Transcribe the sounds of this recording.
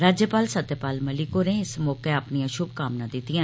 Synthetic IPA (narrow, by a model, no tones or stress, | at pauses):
ɾaːd͡ʒjəpaːlsət̪ːjəpaːlməlɪkoːnẽɪsmɔːkeəpnijãʃʊb̚kaːmnãːd̪ɪt̪ːɪjãː